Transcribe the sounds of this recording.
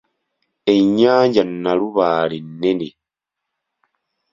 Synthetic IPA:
eɲːaːɲɟannːaluβaːlenːene

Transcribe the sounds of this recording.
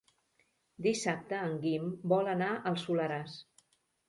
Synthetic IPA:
d̪isap̚t̪əːŋɡimbɔlənaʔəlˠsuləɾas

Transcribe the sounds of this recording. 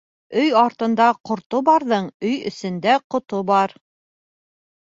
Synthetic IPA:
ɵjɑɾt̪ɤ̆nd̪ɑqŏɾt̪obɑɾðɤɴɵjɵ̰̆sɵ̆nd̪æqŏt̪obɑɾ

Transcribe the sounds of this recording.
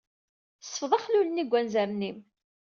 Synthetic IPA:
sə̥fðˤɑχluləniɡʷːænzæɾnim

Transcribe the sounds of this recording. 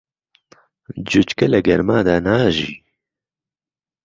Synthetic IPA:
d͡ʒut͡ʃkɐlɛɡɛɾmaːd̪aːnaːʒḭː

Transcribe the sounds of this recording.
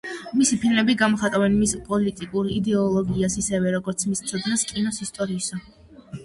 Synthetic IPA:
misipʰilmɛbiɡamɔχat̪ʼavɛnmispʼɔlit̪ʼikʼuɾid̪ɛɔlˠɔɡiasisɛvɛɾɔɡɔɾt̪sʰmist̪sʰɔd̪ʁɛskʼinɔsist̪ʼɔɾisɔ

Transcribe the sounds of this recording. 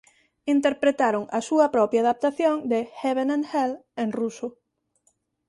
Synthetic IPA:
int̪eɾpɾet̪aɾʊŋɐsuɐpɾɔpjaːðap̚t̪aθjõŋd̪exeβenẽŋhelẽnrusʊ

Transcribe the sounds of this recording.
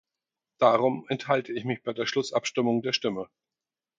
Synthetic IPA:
d̥aːʁʊmɛnthaltʰəɪçmɪçb̥aɪdeːɐʃlʊsʔapʃtɪmʊŋdeːɐʃtɪmə

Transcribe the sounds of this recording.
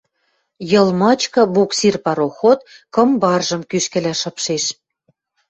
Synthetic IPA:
jɤ̆lˠmɑt͡ɕkɤ̆buksirpɑɾoxot̪kɤ̆mbɑrʒɤ̆mkyʃkɘ̆læʃɤ̆pʃeʃ

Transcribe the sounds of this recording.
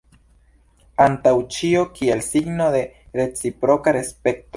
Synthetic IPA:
antawt͡ʃiokielsiɡnode̞ | ɾe̞t͡sipɾo̞kaɾe̞spe̞kto

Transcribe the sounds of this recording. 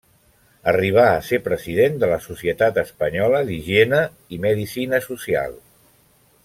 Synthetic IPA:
əriβ̞aəsepɾəziðend̪ələsusiət̪at̪əspəɲɔləliʒienə | iməðisinəsusia̰lˠ

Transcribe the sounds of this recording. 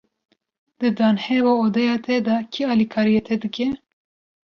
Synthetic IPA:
d̪̥ɨd̪ɑːnhɛvaːoːd̪ɛjɑːt̪ʰɛd̪ɑkʰiɑːlikʰɑːɾijet̪ʰɛd̪ɨkʲɛ

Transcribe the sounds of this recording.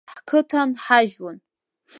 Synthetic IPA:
ħkʰɨtʰanħaʒwʊn

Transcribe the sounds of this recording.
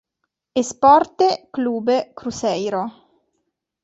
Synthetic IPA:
espɔrt̪ekluːbekɾusɛjɾo

